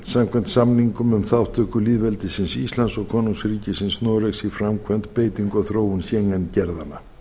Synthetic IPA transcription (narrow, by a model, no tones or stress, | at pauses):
samkʰvɛn̥t̪samniŋkʏmʏmθawht̪ʰœːkʏliːðvɛlt̪ɪsɪnsist̪lansɔɣkʰɔːnunsɾiːcɪsɪnsnoːɾeksifɾamkʰvɛn̥t̪peːjt̪iŋkɔθɾoːwʏnsjɛŋancɛɾðanːa